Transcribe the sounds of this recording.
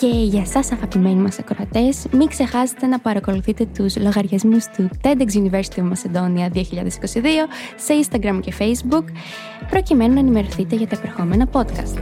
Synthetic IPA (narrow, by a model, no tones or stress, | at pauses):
ce̞ʝɐsɐsɐɣɐpime̞nimɐsɐkɾo̞ɐt̪e̞smiŋkse̞xɐse̥t̪e̞nɐpɐɾɐko̞luθit̪e̞t̪uzlo̞ɣɐɾʝɐzmust̪ut̪end̪eksunive̞ɾsi̥t̪iovmɐse̞d̪o̞niɐðio̞çiʎɐðe̞si̥ko̞siðio̞se̞inst̪ɐɡɾɐmce̞fe̞jzbuk | pɾo̞cime̞nunɐenime̞ɾoθit̪e̞ʝɐt̪ɐepeɾexo̞me̞nɐpo̞t̪kɐst̪